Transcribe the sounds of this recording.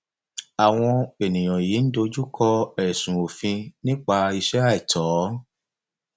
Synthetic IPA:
a˨w̃ɔ̃˧e˨nĩ˨j̃ɔ̃˨ji˨˦n̩˦do˧d͡ʒu˦kʰɔ˧ɛ˨sũ˨o˨fĩ˧nĩ˦k͡pa˧i˧ʃɛ˦a˦i˨tʰɔː˨˦

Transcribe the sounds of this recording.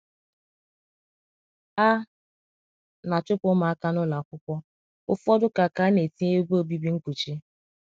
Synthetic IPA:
a˦ | na˨t͡ʃʊ˦kʷʊ˦ma˨a˦ka˦nʊ˦la˨kʷʊ˦kʷɔ˦ | ʊ˦fɔ˦dʊ˦ka˨ka˨˦ne˨ti˦e˦bo˦˨bi˦bi˦ŋ̩˦kʷu˨t͡ʃi˦

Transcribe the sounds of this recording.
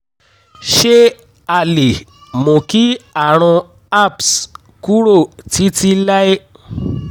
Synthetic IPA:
ʃe˦ | a˨le˨ | mo˨ki˦a˨ɾ̃ɔ̃˧ | a˦˨ps | ku˦ɾo˦˨ti˨˦ti˦la˦e˦

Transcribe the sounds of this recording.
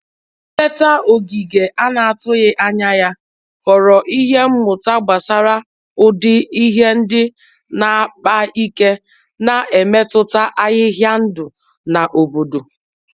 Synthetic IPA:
e˦ta˦o˨ɡi˨ɡe˨ʔa˦na˨a˨tʊ˦ɣɪ˦ʔa˦ɲa˦ja˦ | kɔ˨ɾɔ˨ʔi˦ɦe˦m̩˦mʊ˨ta˦ɡ͡ba˨sa˦ɾa˦ | ʊ˦dɪ˦i˦ɦe˦n̩˦dɪ˦ | na˨˦k͡pa˦i˦ke˦ | na˨e˨me˦tʊ˦ta˦ʔa˦ɣɪ˦ɦja˦n̩˦dʊ˨ | na˨ʔo˨bo˨do˨

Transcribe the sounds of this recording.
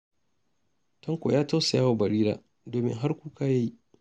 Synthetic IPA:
tɐ˦ŋkʷo̰ː˨jaː˦ta˦wsa˨jaː˦wa˨bɐ˨ɾiː˦ɾa̰ː˨ | doː˨mɪ̰˦ŋɦa˦rkʷuː˦kaː˦ja˦ji˦ʔ

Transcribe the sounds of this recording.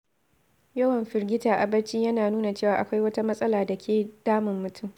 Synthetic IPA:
jɐ˦wɐ˨mɸɪ˨rɡʲɪ˦taː˨ʔa˨bɐ˦t͡ʃiː˦jɐ˦naː˨nuː˦na˨t͡ʃeː˦˨waː˨ʔa˨kʷa˦jwɐ˦ta˦mɐ˦sʼɐ˦laː˨da˨kʲʰeː˨d̥aː˦mɪ˨mːʊ˨tʰʊ˦m

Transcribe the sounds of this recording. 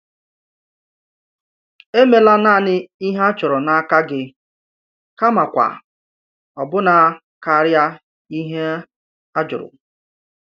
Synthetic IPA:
e˦me˨la˦naː˦˨nɪ˦i˦ɦa˦t͡ʃʊ˨ɾʊ˨na˨a˦ka˦ɡɪ˦ | ka˦ma˨kʷa̰˨ | ɔ˨bʊ˦na˨˦ | ka˨ɾja˦ | i˦ɦe˦ | a˦d͡ʒʊ̰˨ɾʊ̰˨

